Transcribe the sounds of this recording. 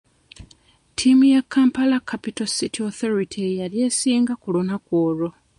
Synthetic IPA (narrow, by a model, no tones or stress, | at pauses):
tʰimujakːampalakʰapitositʰioθo̞ɾitʰijalje̞ːsiːŋɡakulunakwoːɾo̞